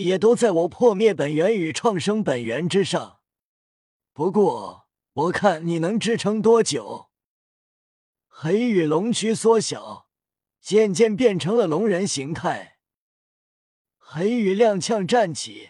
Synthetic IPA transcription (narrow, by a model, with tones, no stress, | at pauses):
jɛ˨˩t̪o˥ʊt͡sa˥˩ɪwɔ˨˩pʰwɔ˥˧mjɛ˥˩pə˨˩nɥɛ˧˥ny˨˩ʈ͡ʂʰwɑ˥˧˩ŋʂɤ˥ŋpə˨˩nɥɛ˧˥nʈ͡ʂɻ̩˥ʂɑ˥˩ŋ | pu˧˥kwɔ˥˩ | wɔ˨˩kʰa˥˩nni˨˩nɤ˧˥ŋʈ͡ʂɻ̩˥ʈ͡ʂʰɤ˧˥ŋt̪̬wɔ˥t͡ɕjo˨˩˦ʊ | xe˧˥ɪy˨˩lʊ˧˥ŋt͡ɕʰy˥swɔ˥ɕjɑ̰˨˩˦ʊ | t͡ɕjɛ˥˧nt͡ɕjɛ˥˧npjɛ˥˩nʈ͡ʂʰɤ˧˥ŋlə˨lʊ˧˥ŋɻə˧˥nɕi˧˥ŋt̪ʰa˥˩ɪ | xe˧˥ɪy˨˩ljɑ˥˧ŋt͡ɕʰjɑ˥˧ŋʈ͡ʂa˥˩nt͡ɕʰḭ˨˩˦